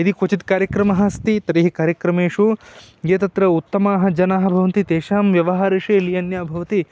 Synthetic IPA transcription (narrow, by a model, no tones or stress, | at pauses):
id̪ikot͡ʃit̪kaːɾjɐkɾɐmɐɦɐst̪it̪ɐɾiɦikaːɾjɐkɾɐmeːʂuɡeːt̪ɐt̪ɾɐut̪ːɐmaːɦɐ̆d͡ʒɐnaːɦɐ̆bʱɐʋɐnt̪it̪eːʃaːmʋjɐʋɐɦaːɾɐʂeːlijɐnjaːbʱɐʋɐt̪i